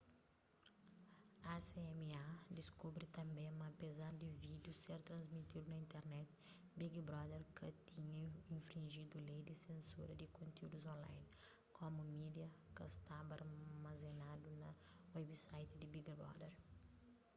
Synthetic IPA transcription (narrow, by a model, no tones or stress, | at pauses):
aseɛmiad̪iskubɾɪt̪ɐ̃mbẽj̃mɐpezaɾd̪ɪvid̪juseɾt̪ɾɐ̃nzmit̪id̪ʊnɐĩnt̪eɾnɛt̪ | biɡbɾɔd̪eɾkɐt̪iɲɐĩfɾĩnʒid̪ulejd̪ɪsẽnsuɾɐd̪ɪkõnt̪eud̪uzõla̰jn | kʰõmʊmid̪jɐkɐst̪abɐɾmazenad̪unɐ | webisajt̪ɪd̪ɪbiɡbɾɔ̰d̪eɾ